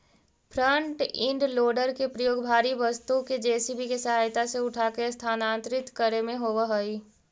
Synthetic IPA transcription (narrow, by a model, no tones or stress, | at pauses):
pʰɾə̃ɳʈɪ̃ɳɖloːɖəɾkepɾəjoːɡbʱaːɾiʋəst̪uked͡ʒeːsibʱikesəɦaːjt̪aseʊʈʰaːkest̪ʰaːnãːnt̪ɾɪt̪kəɾemẽɦoːʋəɦoiː